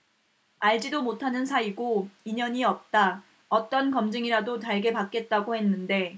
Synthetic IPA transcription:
aɭd͡ʑidomotʰanɯnsʰaiɡoiɲʌɲiʌp̚t͈a | ʌt͈ʌnkʌmd͡ʑɯŋiɾadotaɭɡe̞pak͈e̞t̚t͈aɡohe̞nːɯnde̞

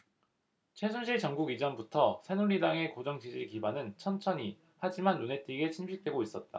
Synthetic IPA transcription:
t͡ɕʰe̞sʰunɕʰiɭt͡ɕʌŋɡuɡid͡ʑʌnbutʰʌsʰe̞nuɾːidaŋe̞kod͡ʑʌŋd͡ʑid͡ʑikibanɯnt͡ɕʰʌnt͡ɕʰʌɲi | had͡ʑimanːune̞t͈iɡe̞t͡ɕʰinɕʰit͈we̞ɡois͈ʌt̚t͈a̰

